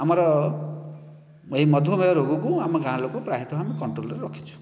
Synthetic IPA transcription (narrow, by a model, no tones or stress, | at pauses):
amʌɾʌ | mimʌd̪ʱomejʌɾoɡukuamʌɡãlokopɾaɦit̪ʰoɦamikʌɳʈrolɾeɾɔkʰit͡sʰu̥